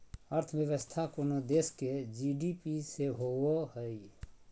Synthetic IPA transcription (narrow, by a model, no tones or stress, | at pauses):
əɾt̪ʰʋjəʋəst̪ʰakonod̪eːsked͡ʒiɖipiseɦoohəi